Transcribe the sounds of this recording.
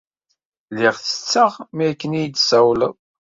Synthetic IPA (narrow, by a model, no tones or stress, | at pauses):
lɪʁθə̥t͡sːəʁmikːənijd̪sæwləðˤ